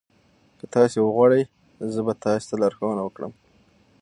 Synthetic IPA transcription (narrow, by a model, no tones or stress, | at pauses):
kət̪ɑsewəɣwɑɽəj | zəbat̪ɑse̥t̪alaɾxawənawəkɽə̰m